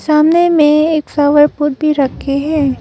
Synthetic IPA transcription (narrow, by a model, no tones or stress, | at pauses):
saːmnemẽeːksaːʋəɾpʊɾ̚bʱiɾɐkʰːeɦɛ̃ː